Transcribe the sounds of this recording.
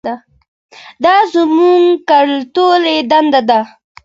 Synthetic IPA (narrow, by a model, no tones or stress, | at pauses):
a | d̪ɑzəmuŋkaɽlt̪oled̪and̪ad̪a